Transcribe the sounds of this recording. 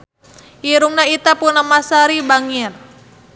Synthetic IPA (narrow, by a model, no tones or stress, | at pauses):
iɾuŋnait̪apunamasaɾibaŋir